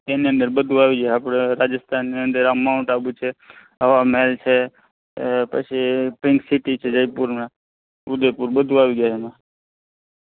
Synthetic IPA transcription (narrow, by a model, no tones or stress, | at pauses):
eniə̃nd̪əɾbəd̪ʱũaːʋiɡjaapɽeɾad͡ʒəst̪ʰanːiənd̪əɾamaʊ̃ɳʈabut͡ʃʰe | ɦəʋameːlt͡ʃʰe | pə̰t͡ʃʰipɪ̃ŋksɪʈit͡ʃʰed͡ʒəjpuɾma | ʊd̪epuɾbəd̪ʱũaʋiɡjaɦemã